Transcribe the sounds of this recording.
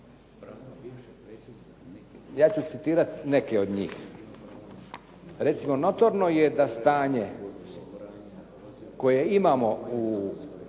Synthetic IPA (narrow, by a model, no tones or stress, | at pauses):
jaːt͡ɕut̪sit̪iːɾat̪ne̞keod̪ɲḭːx | ɾe̞t̪simo̞no̞t̪oɾno̞jed̪ast̪aːɲe | ko̞jeimaːmo̞u